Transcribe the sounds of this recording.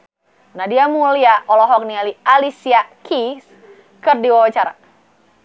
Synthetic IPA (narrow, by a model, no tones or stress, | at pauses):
nahdiamuliaʔɔlɔɦɔk̚nialialisiakis | kərdiwawat͡ʃaɾa